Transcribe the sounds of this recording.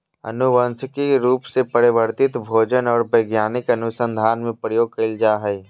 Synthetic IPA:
ə̰nʊʋənskiɾuːpsepəɾɪʋəɾt̪ɪt̪bʱoːd͡ʒənɔːɾbəɪɡjaːnɪkənʊsə̃nd̪ʱaːnmẽpɾəjoːɡ̚kəld͡ʒaːɦəi

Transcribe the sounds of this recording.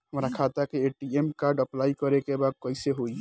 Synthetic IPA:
ɦəmɾakʰat̪akeeʈiemkaɾɖəplaikəɾekebad̪̚kəɪseɦoi

